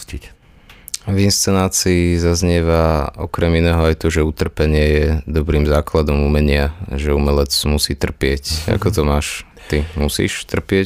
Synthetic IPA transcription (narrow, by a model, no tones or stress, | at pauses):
ci | vinst͡sɛnaːt͡siːzazɲɛʋaɔ̰kɾɛminɛːɦɔajt̪ɔʒɛut̪r̩pɛɲɪɛjɛd̪ɔbɾiːmzaːklad̪ɔmumɛɲɪaʒɛumɛlɛt͡smusiːt̪r̩pɪɛca̰kɔt̪ɔmaːʃ | t̪imusḭːʃt̪r̩pɪɛ